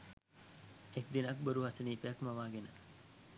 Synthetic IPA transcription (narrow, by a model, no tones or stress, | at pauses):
ekd̪inɐkboɾuɦɐseniːpeɐkmɐʋaːɡenə